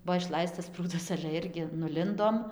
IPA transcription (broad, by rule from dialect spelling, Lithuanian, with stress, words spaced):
ˈbuɔ ɪʃˈlˠɐɪstɐs ˈpruːdɐs ɐlʲɛ ˈɪrʲɡʲɪ nʊˈlʲɪndoːm